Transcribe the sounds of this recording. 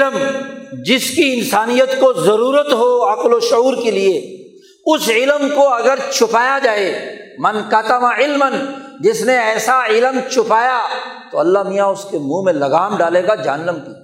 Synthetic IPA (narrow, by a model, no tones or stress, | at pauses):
ləmd͡ʒɪskiɪnsaːnijət̪kozɐɾuːɾət̪ɦoɐkloʃʊuːɾkelie | ʊsɪlmkoɐɡəɾt͡ʃʰʊpaːjad͡ʒaːeːmɐnkɐt̪əmaɪlmənd͡ʒɪsneɛːsaɪlmt͡ʃʰʊpaːjat̪oɐlːaɦmijaʊskemũmẽlɐɡaːmɖaːleːɡad͡ʒɐɦənːəmkiː